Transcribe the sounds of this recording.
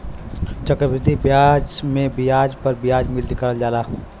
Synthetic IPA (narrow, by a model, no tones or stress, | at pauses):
t͡ʃəkɾəbɪd̪ʱːibjad͡ʒmẽbɪjaːd͡ʒpəɾbɪjaːd͡ʒmɪld̪ikəɾəld͡ʒaːlaː